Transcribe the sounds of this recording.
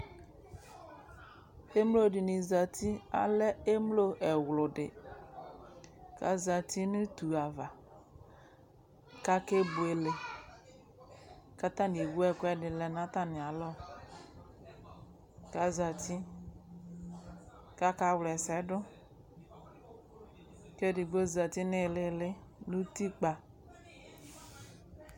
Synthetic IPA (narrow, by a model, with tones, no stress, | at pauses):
e˦mlo˦di˨nĩ˨za˨t̪i˦a̰˨lɛ˦e˦mlo˦ʔɛ˨wlʊ˨dɪ̰˨ | ka˨za˨t̪ʰi˦nʊ̃˦t̪u˨a˨va˨ | ka˦ke˦bu˨e˨le˨ | ka˦t̪ã˦di˨wu˦ɛ˦kɛ˦dɪ˨lɛ˨nã˦t̪a˦nɪ̃˨a˨lɔ˦ | ka˦za˨t̪i˦ | ka˦ka˦wlɛ˨sɛ˨˦dʊ˦ | ke˦dɪ˨ɡo˦za˨t̪i˦nɪ˦˨lɪ˦lɪ˦nu˦t̪i˦k͡pa˨